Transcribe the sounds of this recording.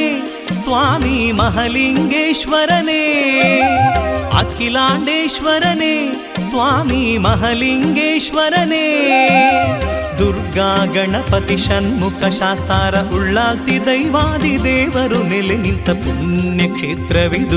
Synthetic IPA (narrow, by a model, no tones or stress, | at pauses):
e | sʋaːmimɐɦɐliŋɡeːʃʋɐɾɐneː | ɐ̰kʰilaːɳɖeːʃʋɐɾɐneː | sʋaːmimɐɦɐliŋɡeːʃʋɐɾɐneː | d̪uɾɡaːɡɐɳɐpɐt̪iʃɐnmukʰɐʃaːst̪aːɾɐʔuɭːaːlt̪id̪ɐjʋaːd̪id̪eːʋɐɾuneleɦint̪ɐpuɳjɐkʂeːt̪ɾɐʋid̪